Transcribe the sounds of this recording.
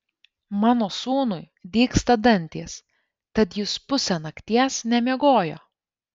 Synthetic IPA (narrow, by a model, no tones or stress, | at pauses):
mɑːnoːsuːnʊj | d̪ʲiːkst̪ɐd̪ɐnʲt̪ʲiːs | t̪ɐt̪jʊspʊsʲɛnɐkt̪ʲiɛsnʲɛmʲiɛɡoːjoː